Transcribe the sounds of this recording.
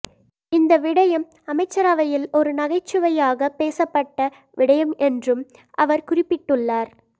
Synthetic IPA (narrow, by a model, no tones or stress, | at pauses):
ɪnd̪ɐʋɪɽɐjɐm | ɐmɐɪt͡ʃːɐɾaːʋɐjɪlɔɾɯnɐɣɐɪt͡ʃːɯʋɐjaːɣɐpːeːsɐpːɐʈːɐ | ʋɪɽɐjɐmɛndrɯm | ʔɐʋɐɾkʊrɪpːɪʈːɯɭːaːɾ